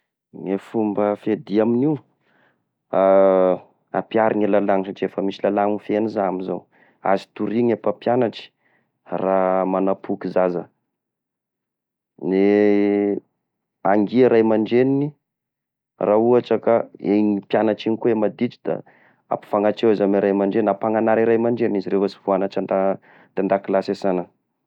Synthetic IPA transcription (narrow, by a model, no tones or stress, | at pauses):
ŋefumbəfed̪iaminiw | a | a̰piaɾiɲelalaŋʃaʈ͡ʂiefəmisilalaŋifenizaamizaw | a̰zi̥t̪uɾiɲapapjanaʈ͡ʂi̥ | ramanapʰukizazə | ne | aŋɡiaɾajmaɳɖ͡ʐenini | rauaʈ͡ʂəkaeɲipjanaʈ͡ʂinikuemad̪it͡ʃi̥d̪̥a̰ | a̰pi̥faŋaʈ͡ʂewezamiɾajmaɳɖ͡ʐenapaŋanaɾiɾajmaɳɖ͡ʐennizirefasivuanat͡ʃand̪a | t̪and̪akilasesanə